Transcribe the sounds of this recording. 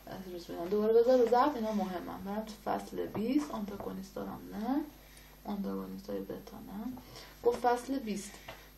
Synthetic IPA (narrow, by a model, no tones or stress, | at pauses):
eɾusbid̪æmd̪obɒːɾebezɒɾbezæfinɒmoɦemːæ̰nbeɾæmt̪ʰu̥fæ̰slḛbist̪ont̪ʰɑɡonist̪d̪ɒ̰ːɾæ̰mnæ | ʔont̪ʰɑɡonist̪ʰɒːjebet̪ʰɒ̰næɡ̥oft̪fæslebist̪